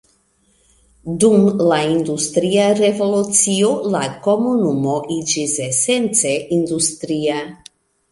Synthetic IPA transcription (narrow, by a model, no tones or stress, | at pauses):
d̪umlaind̪ust̪ɾiaɾevo̞lut͡siolako̞munumoʔid͡ʒisesent͡seʔind̪ust̪ɾia